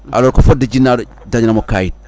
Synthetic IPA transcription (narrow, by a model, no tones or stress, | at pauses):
a̰loɾkofodad͡ʒinːaɾ | daɲnamokajit̚